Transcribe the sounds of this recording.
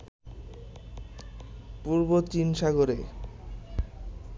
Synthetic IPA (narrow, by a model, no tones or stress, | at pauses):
puɾbot͡ɕinʃaɡoɾe